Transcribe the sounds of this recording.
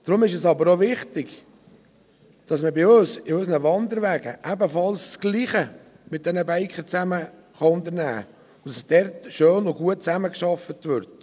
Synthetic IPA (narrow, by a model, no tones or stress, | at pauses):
d̥ɾʊmɪʃ̬ɛsɑbəɾoʋɪχtɪɡ | d̥ɑsməbɪøsɪøsnəʋɑnd̪əɾʋæːɡə̰ʔæbəfɑlssɡ̥liːχə | mɪt̚d̥ɛnəbæɪkχət͡sæmə | χɑʊndəɾnæ̰ː | ʊd̥ɑssd̥ɛɾtʃøːnʊɡuət̚t͡sæməkʃɑfətʋʏɾt